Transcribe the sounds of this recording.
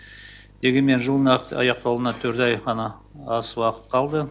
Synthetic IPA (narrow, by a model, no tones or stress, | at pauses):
d̪e̞ɡʲe̞nme̞nʒəlˠənɑɑ̰jɑq̚t̪ɑwlˠənɑt̪ʰɵɾt̪ɑjʁɑnɑɑswɑqə̥t̪qʰɑlˠd̪ə